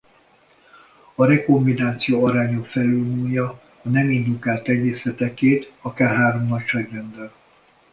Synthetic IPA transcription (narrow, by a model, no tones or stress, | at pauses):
ɒɾɛkombinaːt̪sijoːɒɾaːɲo̞kfɛløːlnuːjɒː | nɛmind̪ukaːlt̪ɛɟeːsɛt̪ɛkeːt̪ɒkaːrɦaːɾo̞mnɒcʃɛɡrɛnd̪ɛl